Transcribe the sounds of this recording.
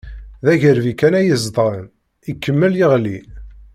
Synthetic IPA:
ðæʝəɾvikænæjəzd̪ˤʁˤən | ikːəmːəljiʁli

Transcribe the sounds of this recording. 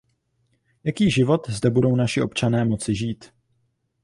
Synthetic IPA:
jakiːʒɪvo̞t̪zdɛbudo̞wnaʃɪʔo̞pt͡ʃanɛːmo̞t͡sɪʒiːt̪

